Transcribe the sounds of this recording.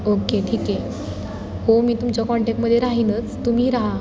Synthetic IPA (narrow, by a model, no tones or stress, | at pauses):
okeʈʰiːke | homiːt̪umt͡ɕakɔɳʈek̚ʈməd̪ʱːjeɾaɦinət͡st̪um̤iːɾaɦa